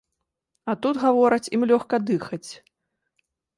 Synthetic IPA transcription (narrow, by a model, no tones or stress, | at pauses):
ɐt̪ud̪ɣavɔɾɐt͡sʲimlʲɔxkɐd̪ɨxɐt͡sʲ